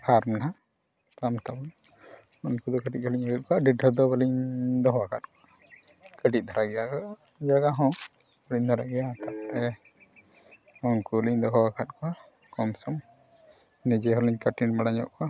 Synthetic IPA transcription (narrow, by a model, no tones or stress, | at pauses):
hʰaɾmna | pamt̪abɔn | ɔnkud̪ɔkəʈit̪̚ˀʰɔliɲaɡit̪̚kɔaɖiɖəd̪ɔbəliɲd̪ɔɦwakʰat̪̚kɔa | kəʈit̪̚ˀd̪ʱaɾaɡɛjakɔ | d͡ʒaɡaɦɔ̃ | bəɽiɲd̪ʱaɾaɡɛjat̪apɾɛ | ɔŋkuliɲd̪ɔɦɔwakʰat̪̚kʰɔa | kɔmsɔm | nid͡ʒɛɦɔliɲkəʈinmaɽaɲɔ̰ʔkɔa